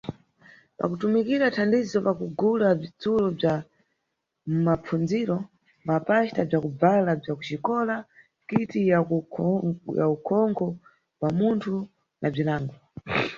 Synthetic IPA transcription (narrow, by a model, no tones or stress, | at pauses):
pa̰kutumikiɾatʰandizɔpakuɡulab͡ʐit͡sulɔb͡ʐa | mmap͡fʰund͡ziɾɔ | mapaʃtab͡ʐakub͡valab͡ʐakut͡ʃikɔla | kitij | ja̰ukʰɔŋkʰɔ | wamuntʰu | nʔab͡ʐilaːŋɡɔ